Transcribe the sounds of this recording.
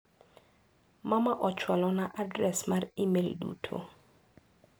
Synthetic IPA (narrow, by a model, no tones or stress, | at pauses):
mamaʔɔt͡ʃwalɔnaʔadɾɛsmarimeldṵtʰo̰